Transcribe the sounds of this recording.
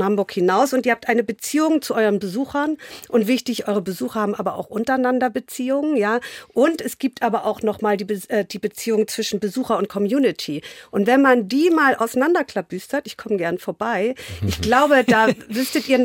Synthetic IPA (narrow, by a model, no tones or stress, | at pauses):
hambʊɐkhɪnaʊsʊntiːɐhap̚tʔaɪnəbət͡siːʊŋt͡suʔɔʏʁənbəzuːxɐnʔʊntv̥ɪçtɪçʔɔʏʁəbəzuːxɐhaːbm̩ʔa̰ːbɐʔa̰ʊxʔʊntɐaɪnandɐbət͡siːʊŋənjaːʔʊntɛsɡ̥iːp̚tʔaːbɐʔaʊxnɔχmaːldiːbʔɛːd̥iːbət͡siːʊŋnt͡sv̥ɪʃn̩bəzuːxɐʊnt̚kʰɔmjuːnɪtʰiːʔʊntv̥ɛnmandiːmaːlʔa̰ʊsanandɐkl̥ab̥yːstɐtɪçkʰɔməɡɛɐnfoːɐbaɪʔɪçɡ̥laʊbədaːvʏstətʔiːɐ